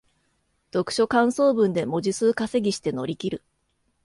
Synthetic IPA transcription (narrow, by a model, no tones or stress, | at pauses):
d̪̥o̞kɯ̟̥ɕo̞kãɰ̃so̞ːbɯ̟̃nd̪e̞mo̞ʑisɨːkase̞ɡʲiɕi̥t̪e̞no̞ɾʲikʲiɾɯ̟